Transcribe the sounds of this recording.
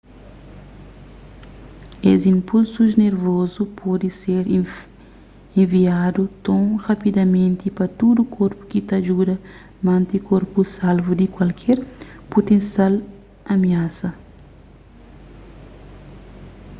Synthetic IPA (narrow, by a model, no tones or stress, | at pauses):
ezĩmpulsuzneɾvozupʰɔd̪iseɾ | ẽɱviad̪ut̪õrapid̪ɐmẽnt̪ipɐt̪ud̪ukʰoɾpu̥kit̪aʒud̪ɐ | mãnt̪ikoɾpusalvud̪ikwɐlkʰɛɾpot̪ẽnsjal | ɐmiasɐ